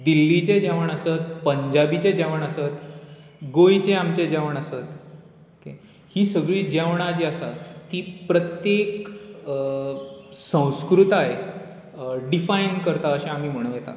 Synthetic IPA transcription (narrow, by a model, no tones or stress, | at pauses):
d̪ilːit͡ɕed͡ʑeʋəɳəsət̪̚pəɲd͡ʑabit͡ɕed͡ʑaʋəɳ̃əsət̪ | ɡojt͡seamt͡ɕed͡ʑaʋəɳəsət̪ | kḛ | hiːsəɡɭiːd͡ʑaʋɳ̃ad͡ʑiəsat̪ːiːpɾət̪jek | sə̃w̃skɾut̪aje | ɖifainkəɾt̪aəɕẽam̤iːm̤əɽ̃əʋjet̪a̰